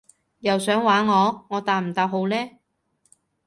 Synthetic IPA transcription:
jɐ˨wsœː˨˥ŋwaː˨˥nŋɔː˨˧ŋɔː˨˧t̪aː˨˧m̩˨˩t̪aː˧p̚ho˨˧wlɛː˥

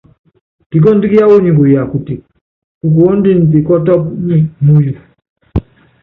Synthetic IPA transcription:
di˨˦k̬ɔ˦n˦di˦ki˦ja˦wɔ˦ɲĩ˨ŋɡu˨ja˨ku˨ti˨ | ku˨k̬u˨ɔ˦n˦di˦n̩˨ti˨kɔ˦tɔ˦ku˦ɲi˦mu˦jɔ˨

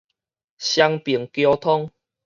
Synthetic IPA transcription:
ɕja˧ŋpi˨˩ŋkjo˧t̪ʰɔ˦ŋ

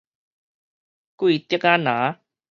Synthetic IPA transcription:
ku˦i˧t̪jə˦kaː˦na˨˦

